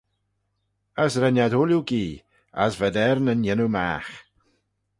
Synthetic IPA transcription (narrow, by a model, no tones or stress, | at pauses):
əsɾɛnjadoljuɡiː | a̰svɛdɛɾnənjɪnuma̰ːx